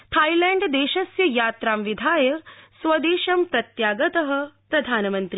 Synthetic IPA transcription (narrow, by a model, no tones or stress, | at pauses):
t̪ʰaːilɛːɳɖd̪eːʃɐsjɐjaːt̪ɾaːmʋid̪ʱaːjɐsʋɐd̪eːʃɐmpɾɐt̪jaːɡɐt̪ɐɦɐ̆pɾɐd̪ʱaːnɐmɐnt̪ɾi